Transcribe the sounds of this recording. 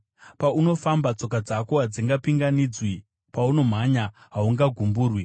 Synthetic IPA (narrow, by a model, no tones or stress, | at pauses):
pauno̞fambat͡so̞k̬ad͡zako̞ɦad͡ziŋɡapiŋɡanid͡zwi | pauno̞m̤aɲa | ɦauŋɡaɡʱumbuːrwi